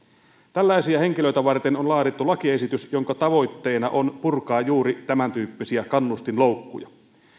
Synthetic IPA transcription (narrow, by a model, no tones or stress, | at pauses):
t̪ælːæˑisiæheŋkiløit̪æʋɑrt̪enonlɑːɾit̪ːulɑkiesit̪ysjoŋkɑt̪ɑʋo̞jt̪ːe̞ːnɑ̰ʔonpurkɑːjuːɾit̪æmænt̪yːpːisiækɑnːust̪inloˑukːṵjɑ